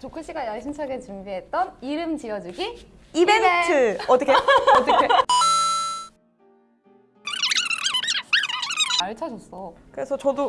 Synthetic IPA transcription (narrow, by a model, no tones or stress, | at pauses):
t͡ɕokʰɯɕ͈iɡajʌɭɕʰimt͡ɕʰʌɡet͡ɕumbiɦe̞t̚t͈ʌniɾɯmt͡ɕiʌd͡ʑuɡi | ibentʰɯʌt͈ɯkʰeʌt͈ʰɯkʰe | aɭt͡ɕʰʌd͡ʑʌs͈ʌkɯɾe̞sʰʌt͡ɕʌdo